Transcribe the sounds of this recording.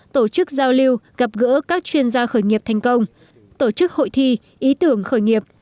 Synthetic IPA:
t̪o˧˩t͡ɕɨ˦˥k̚zaː˧wli˧wɣa˨˩p̚ɣə̰˧˥kaː˦˥k̚t͡ɕwi˧ənzaː˧xəː˧˩jŋi˨˩əp̚t̪ʰɛ˨˩ŋ̟kə˧wŋ͡m | t̪o˧˩t͡ɕɨ˦˥k̚ho̰˧˨jt̪ʰi˧ | ʔi˨˦t̪ɨ˧˩əŋxəː˧˩jŋi˨˩əp̚

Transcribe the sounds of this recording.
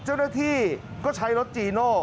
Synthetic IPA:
t͡ɕa˥˩wnaː˥˩t̪ʰiː˥˩ | kɔː˥˩t͡ɕʰa˦˥jɾo˦˥t̪̚t͡ɕiː˧˩nɔː˥˩

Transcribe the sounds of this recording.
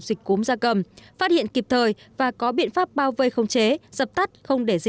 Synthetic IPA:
zi˨˩k̟̚ku˨˦mzaː˧kə˧˩mfaː˦˥t̚hḭ˧˨ənki˨˩p̚t̪ʰəː˨˩jvaː˨˩kɔ˨˦ɓḭ˧˨ənfaː˦˥p̚ɓaː˧wvə˧jxə˧wŋ͡mt͡ɕe˨˦z̥ə˨˩p̚t̪a˦˥t̚xə˧wŋ͡mɗe˧˩zi˨

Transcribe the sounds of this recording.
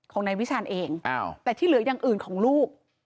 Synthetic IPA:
kʰɔː˩˦ŋna˧jwi˦˥t͡ɕʰaː˧nʔeː˧ŋʔa˧˩wt̪ɛː˨˩t̪ʰiː˥˩lɯ˨˩˦jaː˨˩ŋʔɯː˨˩nkʰɔː˩˦ŋluː˥˩k̚

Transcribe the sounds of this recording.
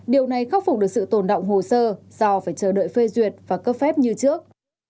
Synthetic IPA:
ɗi˨˩əwna˨˩jxa˦˥p̚fk͡p̚ɗɨ˨˩ək̚sɨ̰˧˨t̪o˨˩nɗə̰˧˨wŋ͡mɦo˨˩səː˧ | z̥ɔ˧faː˧˩jt͡ɕəː˧˩ɗə̰ː˧˨jfe˧zwi˨˩ət̚vaː˨˩kəː˦˥p̚fɛ˦˥p̚ɲɨ˧t͡ɕɨ˦˥ək̚

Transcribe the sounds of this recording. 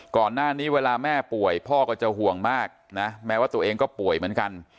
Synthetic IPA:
kɔː˨˩nːaː˥˩niː˦˥weː˧laː˧mɛː˥˩pu˨˩əjpʰɔː˥˩kɔː˥˩t͡ɕa˨ɦu˨˩əŋmaː˥˩k̚na˦˥mɛ˦˥waː˥˩t̪u˧əʔeː˧ŋkɔː˥˩pu˨˩əjmɯ˩˦ənka˧n

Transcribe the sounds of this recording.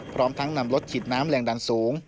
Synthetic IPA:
pʰɾɔː˦˥mt̪ʰa˦˥ŋna˧˩mlo˦˥t̪̚t͡ɕʰiː˨˩t̪̚naː˦˥mlɛː˧˩ŋdaː˧nsoː˩˦ŋ

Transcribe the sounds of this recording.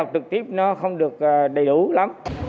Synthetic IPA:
a˨˩w̚t͡ɕɨ˨˩k̚t̪i˦˥əp̚nɔ˨˦xə˧wŋ͡mɗɨ˨˩ək̚ːɗə˨˩jɗu˧˩la˨˦m

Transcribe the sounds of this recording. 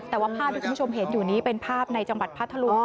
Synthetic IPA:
t̪ɛː˨˩waː˥˩pʰaː˥˩p̪̚ʰa˥˩ku˧˦˥u˥˩o˧mɦe˩˦njuː˨˩niː˦˥pe˧npʰaː˥˩p̚na˧jt͡ɕa˧ŋwa˨˩t̪̚pʰaː˥˩t̪ʰːa˧lu˧˥

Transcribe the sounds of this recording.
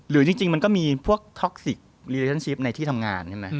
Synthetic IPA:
ɾɯː˨˩˦t͡ɕi˧ŋt͡ɕi˧ŋma˧nkɔː˥˩miː˧pʰu˥˩ək̚t̪ʰɔ˦˥k̚si˨˩k̚ɾiː˧le˧t͡ɕʰa˥˩nt͡ɕʰi˦˥p̚na˧jt̪ʰiː˥˩t̪ʰa˧mŋa̰ː˧nt͡ɕʰa˥˩ma˦˥j

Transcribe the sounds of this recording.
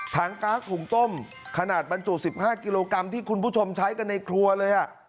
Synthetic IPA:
t̪ʰaː˧˥ŋkaː˦˥shuː˨˩˦ŋt̪o˥˩m | kʰa˧naː˨˩t̪̚ba˧nt͡ɕu˨˩si˨˩p̚haː˥˩ki˧loː˧ka˧mt̪ʰiː˥˩kʰu˧npʰuː˥˩t͡ɕʰo˧mt͡ɕʰa˦˥jka˧nːa˧jkʰɾu˧ɐlɤː˧jʔa˨˩ʔ

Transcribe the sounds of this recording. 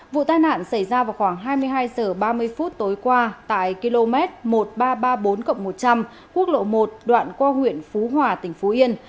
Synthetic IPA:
vṵ˧˨t̪aː˧jna̰ː˧˨nsə˧˩jzaː˧vaː˨˩wxwaː˧˩ŋɦaː˧jmɨ˧əjɦaː˧jzəː˨˩ɓaː˧mɨ˧əjfu˦˥t̚t̪o˨˦jkwaː˧t̪a̰ː˧˨jki˧lo˧mɛ˦˥t̚mo˨˩t̚ɓaː˧ɓaː˧ɓo˨˦nkə̰˧˨wŋ͡mmo˨˩t̚t͡ɕa˧m | ku˦˥ək̚lo̰˧˨mo˨˩t̚ɗwa̰ː˧˨nkwaː˧hwḭ˧˨ənfu˨˦ɦwaː˨˩t̪ï˨˩ŋ̟fu˨˦ʔi˧ən

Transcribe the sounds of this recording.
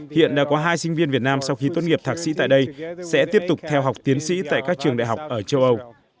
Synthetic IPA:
hḭ˧˨ənɗa̰ː˧˥kɔ˨˦ɦaː˧jsï˧ŋ̟vi˧ənvi˨˩ət̚naː˧msa˧wxi˧t̪wə˧nŋi˨˩əp̚t̪ʰaː˨˩sḭ˧˥t̪a̰ː˧˨jɗə˧jsɛ̰˧˥t̪i˦˥əp̚t̪ʊ˨˩k͡p̚t̪ʰɛ˧wɦa˨˩wk͡p̚t̪i˨˦ənsḭ˧˥t̪a̰ː˧˨jkaː˦˥k̚t͡ɕɨ˨˩əŋɗa̰˧˨ɦa˨˩wk͡p̚ʔəː˧˩t͡ɕə˧wʔə˧w

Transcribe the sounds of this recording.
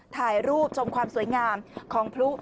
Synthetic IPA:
t̪ʰaː˧˩jɾuː˥˩p̚t͡ɕʰo˧mkʰwaː˧msu˨˩˦əjŋaː˧mkʰɔː˩˦ŋpʰɾu˦˥

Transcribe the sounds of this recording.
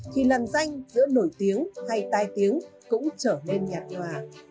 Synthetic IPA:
kʰi˨˩lə˨˩nza˧jŋ̟zɨ̰˧˥əno˧˩jt̪i˨˦əŋha˧jt̪aː˧˩jt̪i˨˦əŋkʊ̰˧˥ŋ͡mt͡ɕəː˧˩le˧nɲaː˨˩t̚ŋwaː˨˩

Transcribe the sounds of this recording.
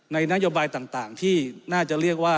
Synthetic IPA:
na˧jna˦˥joː˧baː˧jt̪aː˨˩ŋt̪aː˨˩ŋt̪ʰiː˥˩naː˥˩t͡ɕa˨˩ɾi˥˩ək̚waː˥˩

